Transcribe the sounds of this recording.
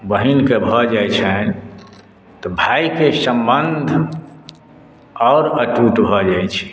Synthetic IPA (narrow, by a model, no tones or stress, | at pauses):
bəɦinkebʱəd͡ʒajt͡ʃʰɛ | t̪ɔbʱaikesə̃mbənd̪ʱ | ɔːɾəʈuʈbʱəd͡ʒaet͡ʃʰi̥